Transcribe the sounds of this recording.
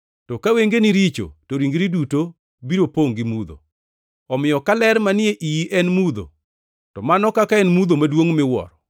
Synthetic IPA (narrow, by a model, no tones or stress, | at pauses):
tɔkaweŋɡeniɾit͡ʃo̰toɾiŋɡɾiduto | biɾopoŋɡimud̪o̰ | ɔmɪjɔkalɛɾmanɪeʔijiʔɛnmud̪o̰ | tɔmanɔkakaɛnmud̪omadwoŋmɪwɔ̰ɾɔ